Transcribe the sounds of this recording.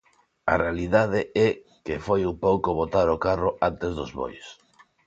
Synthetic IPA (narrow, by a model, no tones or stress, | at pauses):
a̰realiðað̞ɪɛ | kefojupowkoβot̪aɾokaroʔant̪ezðʊzβo̰js